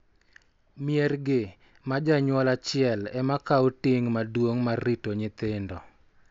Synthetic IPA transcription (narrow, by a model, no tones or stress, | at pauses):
mɪɛrɡɪ | mad͡ʒaɲwɔlat͡ʃɪɛlɛmakaotɪŋmadwoŋmarːitoɲɪt̪ɪndɔ